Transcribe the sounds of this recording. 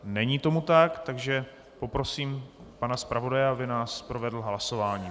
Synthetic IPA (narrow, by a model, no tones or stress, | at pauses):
nɛɲiːt̪o̞mut̪akt̪aɡʒɛ | po̞pɾo̞siːmpanaspɾavo̞dajɛabɪnaːspɾo̞vɛdl̩ɦlaso̞vaːɲiː